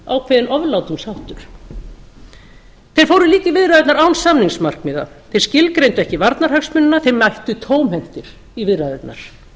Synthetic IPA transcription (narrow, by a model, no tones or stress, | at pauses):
a̰wkʰvɛðɪnʔɔvlawt̪ʏmsawht̪ʏɾ̥ | θejɾ̥foːwɾʏɾliːt̪ivɪðɾaðɪt̪naɾawnsamniŋsmar̥kmiːða̰ | θej̥scɪlkɾejnt̪ʏɛhcɪvaɾt̪naɾ̥haksmʏnːʏnaθejɾmajht̪ʏt̪ʰoːwmhɛm̥t̪ɪɾ̥ | ivɪðraðɪt̪na̰ɾ̥